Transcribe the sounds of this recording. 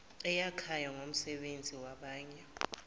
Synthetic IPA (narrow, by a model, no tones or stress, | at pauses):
ɛjakʰajaŋʱom̩sɛɓend͡zʱiwaɓaːɲɛ